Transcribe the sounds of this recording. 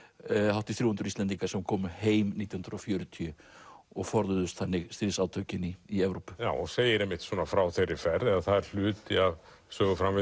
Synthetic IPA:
hawht̪ɪθɾuːhʏnt̪ɾʏɾist̪ɛnt̪iŋkaɾ̥sɛmkʰɔːmʏheːjmnit̪jhʏnɾɔfjœːɾʏt̪ʰiʏ | ɔɣfɔɾðʏðʏst̪θanːɪɣst̪ɾiðsawt̪ʰœɥcɪniːɛvɾowpʏ̥jaːwɔɣseːjɪɾɛmːɪht̪sɔːnafɾawθejɾɪfɛɾðɛðaθaðɛɾ̥l̥ʏːt̪ɪav | sœːɣʏfɾamvɪ

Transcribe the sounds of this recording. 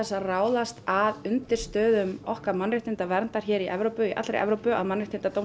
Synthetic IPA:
ɛsːaraːwðast̪aðʏnt̪ɪɾ̥st̪œːðʏmɔhkaɾmanrɪht̪ɪnt̪avɛɾnt̪aɾ̥çɛːɾiʔɛ̰vɾowpʏiʔa̰t̪lɾḛjʔɛ̰vɾowpʏa̰ðmanrɪht̪ɪnt̪at̪ow

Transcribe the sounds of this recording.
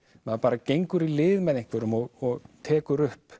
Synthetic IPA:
maðpaːɾacejŋkʏɾilɪːðmɛðejŋkvɛɾʏmɔɣɔɣt̪ʰɛːkʏɾʏhp

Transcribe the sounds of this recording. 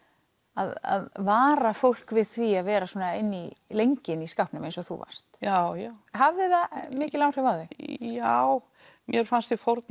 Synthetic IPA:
aða̰ðvaːɾafowl̥kvɪðθviaðvɛːɾasɔːnaɪnːilejɲcɪniskawhpnʏmẽjnsɔɣθṵva̰r̥st̪jawjawɦavðɪðamɪːcɪlaːwr̥ɛvawðɪjaw | mjɛɾ̥fanst̪ifɔɾt̪̚n

